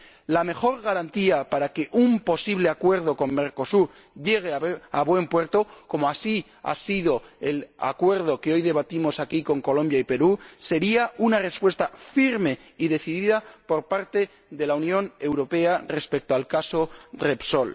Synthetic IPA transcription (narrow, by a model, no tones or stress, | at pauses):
lame̞xo̞ɾɣaɾant̪iapaɾake̞ʔumpo̞siβ̞le̞akwe̞ɾð̞o̞ko̞mme̞ɾko̞suɾ | ʎe̞ɣ̞eaβwe̞mpwe̞ɾt̪o̞ko̞moasi | a̰siðo̞ela̰kwe̞ɾð̞okeo̞jðe̞β̞at̪imo̞sakiko̞ŋko̞lõ̞mbjaipe̞ɾuse̞ɾiaunare̞spwe̞st̪afiɾme̞iðe̞θiðiðapo̞ɾpaɾt̪e̞ | ðe̞launjõ̞ne̞wɾo̞pe̞are̞spe̞k̚t̪oalkaso̞repso̞l